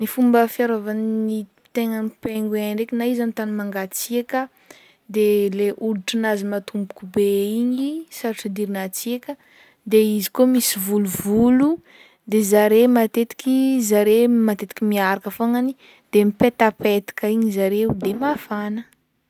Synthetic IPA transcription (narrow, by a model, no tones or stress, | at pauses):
nifumbəfjaɾovanini | t̪eŋənipeŋɡeaɳɖ͡ʐekinaizamit̪animaŋɡat͡siakə | d̪eleʔuliʈ͡ʂinazimat̪umbu̥kubeiɲisaɾʈ͡ʂid̪iɾinat͡siekʲə | d̪eizikomisivuluvulu | d̪ezaɾemat̪et̪i̥kʲizaɾemat̪et̪i̥kʲimiaɾakafoŋani | d̪̥emipet̪apet̪i̥kaiɲizaɾeud̪emafanə